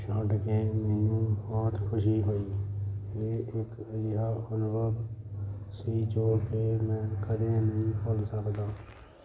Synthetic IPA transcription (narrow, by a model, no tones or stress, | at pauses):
t͡ʃaːɖkẽːmeːjũːbɔːt̪kʰʊʃiːɦoːiː | eːekjɪɦaːənʊbʱəb | siːd͡ʒoːkeːmɛ̃ːkəd̪eːnəɦĩpəlsəkd̪aː